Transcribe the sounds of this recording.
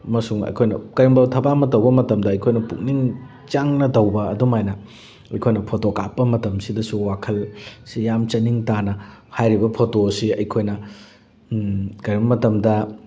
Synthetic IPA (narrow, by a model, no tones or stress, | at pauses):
mɐsuŋɐ̰jkʰojnɐ̰kɐjɐŋbɐwtʰɐbamɐtɐwbɐmɐtɐmdɐːjkʰojnɐpuk̚niŋ | t͡ʃaŋnɐdɐwbɐɐ̰dumajnɐ | ɐjkʰojnɐpʰotoka̰pːɐmɐtɐmsidɐsuwakʰɐlsijamt͡ʃɐniŋtanɐhajɾibɐpʰotosiɐjkʰojnɐ | kɐjbɐmɐtɐmdɐ